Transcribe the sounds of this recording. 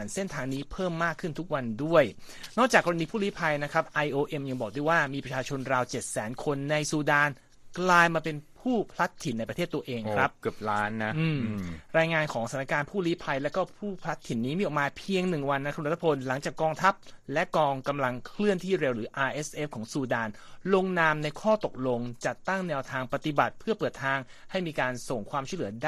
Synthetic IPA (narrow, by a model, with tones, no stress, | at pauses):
nse˥nt̪ʰaː˧ŋniː˦˥pʰɤː˥˩mːaː˥˩kʰːɯ˥˩nt̪ʰu˦˥k̚wa˧ndu˥˩əj | nɔː˥˩k̚t͡ɕaː˨˩kːɔː˧ɾa˧niː˧pʰuː˥˩liː˦˥pʰa˧jna˦˥kʰɾa˦˥p̚ʔa˧jʔoː˧ʔe˧mja˧ŋbɔː˨˩k̚du˥˩jwaː˥˩miː˧pɾa˧t͡ɕʰaː˧t͡ɕʰo˧nɾaː˧wt͡ɕe˨˩t̪̚sɛ̰ː˩˦nkʰo˧nːa˧jsuː˧daː˧n | klaː˧jmaː˧pe˧npʰuː˥˩pʰla˦˥t̪ʰːi˩˦nːa˧jpɾa˧eː˥˩t̪ːu˧ɐʔeː˧ŋkkʰɾa˦˥pkɯ˨˩p̚laː˦˥nːa˦ʔɯː˧˩mɾaː˧jŋaː˧nkʰɔː˩˦ŋsa˩nː˦a˧˥kaː˧npʰuː˥˩liː˦˥pʰa˧jlɛː˦˥wkɔː˥˩pʰuː˥˩pʰɾa˦˥t̪ʰːi˩˦nːiː˦˥miː˧ʔɔ˨˩k̚maː˧pʰi˧əŋnɯ˨˩ŋwa˧nːa˦˥kʰɾt̪ʰːḁ˧pʰo˧nla˩˦ŋt͡ɕaː˨˩kːɔː˧ŋt̪ʰa˦˥p̚lɛ˦˥ʔkɔː˧ŋka˧mla˧ŋkʰlɯ˥˩ənt̪ʰiː˥˩ɾe˧wɾɯː˩˦ʔaː˧ʔe˦˥sʔe˦˥f̚kʰɔː˩˦ŋsuː˧daː˧nlo˧ŋnaː˧mna˧jkʰɔː˥˩t̪o˨˩k̚lo˧ŋt͡ɕa˨˩t̪ːa˥˩ŋnɛː˧wt̪ʰaː˧ŋpa˧t̪i˨˩ba˨˩t̪̚pʰɯ˥˩ɐpɤː˨˩t̪ʰːaː˧ŋ | ha˥˩jmiː˧kaː˧nso˨˩ŋkʰwaː˧mt͡ɕʰu˥˩lɯ˩˦daː˥˩